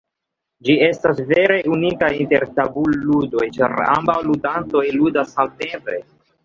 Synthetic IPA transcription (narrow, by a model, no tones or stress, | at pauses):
d͡ʒie̞stasve̞ɾe̞unikajinte̞ɾtabulːudo̞jt͡ʃa̰ɾa̰mbawludanto̞jludasalte̞mpe̞̰